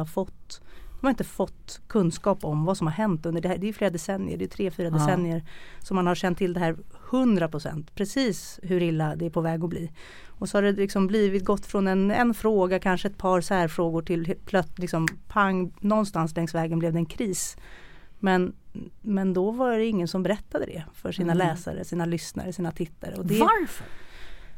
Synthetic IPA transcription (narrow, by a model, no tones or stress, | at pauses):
afɔt̪ːd̪ɔmaɾɪnt̪əfɔt̪ːkʰɵnskɑːpɔmvasɔmhaɾɦɛnt̪ɵnd̪əɖɛhæɖɛjɵfleːɾad̪ɛsɛnːɪ̰ə̰ɖɛjʏt̪ʰɾeːfyːɾad̪ɛsɛnːɪəɾsɔmːanhaɾɕɛnt̪ʰːɪld̪ɛhæːɾhɵnd̪ɾapʰɾʊsɛ̰nt̪pʰɾɛsiːs | ɦɵɾɪlːad̪ɛæɾpʰɔvɛːɡɔbliː | ɔsɔhaɖɛlɪksɔmbliːvɪt̪̚ɡɔt̪ːfɾɔnɛnɛnfɾoːɡakʰanʂəɛt̪̚pʰɑɾsæːɾfɾoːɡʊʈʰɪlpʰlœtlɪksɔmpʰaŋːnɔnst̪anslɛŋst̪vɛːɡənblɛvd̪ɛnkʰɾiːs | mɛnmɛnd̪ɔvaɖɛɪŋːənsɔmbɛɾɛt̪ːad̪əd̪ɛ̰fœʂiːnalɛːsa̰ɾə̰siːnalʏsna̰ɾəsiːnat̪ʰɪt̪ʰːaɾə̰ɔd̪ɛaɾfəɾ